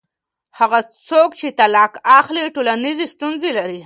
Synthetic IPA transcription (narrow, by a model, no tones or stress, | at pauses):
haɣat͡sokt͡ʃet̪alɑkaxliʈolanizest̪unzelaɾi